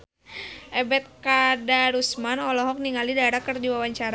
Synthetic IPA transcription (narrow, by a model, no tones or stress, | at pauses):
ʔɛbɛt̪̚kadaɾusmanɔlɔɦɔk̚niŋalidaeɾakərdiwawaɲt͡ʃaɾa